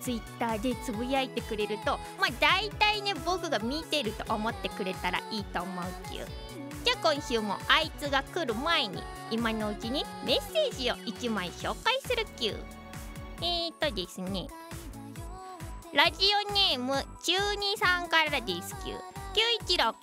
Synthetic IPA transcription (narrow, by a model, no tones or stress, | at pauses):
t͡sɨit̪ːaːd̪e̞t͡sɨbɯ̟iait̪e̞kɯ̟ɾe̞ɾɯ̟t̪o̞ | maːd̪ait̪aine̞bo̞kɯ̟ɡamʲit̪e̞ɾɯ̟t̪o̞̰ʔomo̞t̪ːe̞kɯ̟ɾe̞t̪aɾa̰ʔiːt̪o̞ːmo̞ɯ̟kʲɯ̰ː | d͡ʑaːkõ̞ɰ̃ɕɨːmo̞̰ait͡sɨɡakɯ̟ɾɯ̟mae̞ɲ̟ḭ | imano̞ɯ̟t͡ɕiɲ̟ime̞se̞ːʑio̞ʔit͡ɕimaiɕo̞ːkaisɨɾɯ̟kʲɨ̰ː | et̪o̞d̪esɨne | ɾaʑio̞ne̞ːmɯ̟t͡ɕɨːɲ̟isãŋkaɾaɾad̪esɨ̥kʲɯ̰ːkʲɨːit͡ɕiɾo̞kɯ̥